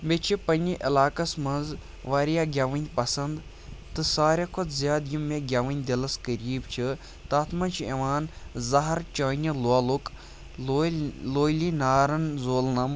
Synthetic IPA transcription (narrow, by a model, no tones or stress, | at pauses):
bet͡ʃʰipɐnʲiʔɐ̰laːkɐsmɐnz | ʋaːɾijaːɡʲaʋɐnʲpɐsɐnd̪ | t̪ɨsaːɾʲɐkʰod̪zjaːd̪jimeɡʲɐʋɐnʲd̪ʲilɐskəɾiːbt͡ʃʰi | t̪aːt̪ʰmɐnt͡ʃʰiɐʋaːnzɐɦɐɾt͡ʃɐːnʲɐluɐluk | loːjlinaːɾɐnzoːlnɐm